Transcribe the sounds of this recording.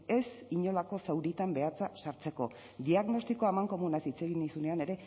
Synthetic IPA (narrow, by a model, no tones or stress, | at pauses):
e̞siɲo̞lako̞sawɾit̪ambe̞at͡sasaɾt͡se̞ko̞ | d̪iaɣno̞st̪iko̞amaŋko̞munasit͡seɣinisune̞ane̞ɾe̞